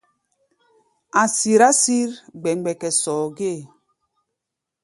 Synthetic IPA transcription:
a˨si˨ɾa˦si˦ɾɡ͡bɛ˨ŋ˨ɡ͡bɛ˨kɛ˨sɔː˨ɡe˦˨

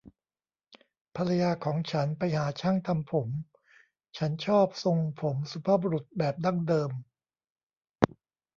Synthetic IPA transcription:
pʰa˧ɾa˧jaː˧kʰɔː˩˦ŋt͡ɕʰa˦˥npa˧jhaː˩˦t͡ɕʰaː˥˩ŋt̪ʰa˧mpʰo˩˦m | t͡ɕʰa˦˥nt͡ɕʰɔː˥˩p̚so˧ŋpʰo˩˦msu˧˦pʰaː˥˩bo˧ɾu˨˩t̪̚bɛː˨˩p̚da˥˩ŋdɤː˧m

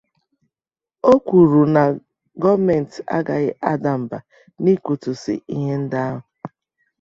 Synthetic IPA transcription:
o˦kʷu˨ɾu˨na˨ | ɡɔ˦me˨n̩˨ta̰˦ɡa˨ɣɪ˦ʔa˦da˨m̩˨ba˨ | ni˦ku˨tu˨sɪ̰˨i˦ɦe˦n̩˦da˦a˦ɦʊ˨

